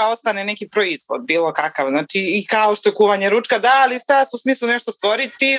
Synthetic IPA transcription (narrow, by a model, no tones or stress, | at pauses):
ao̞st̪anenekipɾoizʋo̰d̪̚biːlˠo̞kakaʋznaːt͡ʃiːkaoʃt̪o̞ekuːʋaɲe̞ɾut͡ʃkad̪aːlist̪aːsusmiːslˠuneʃt̪ost̪ʋo̞ɾit̪i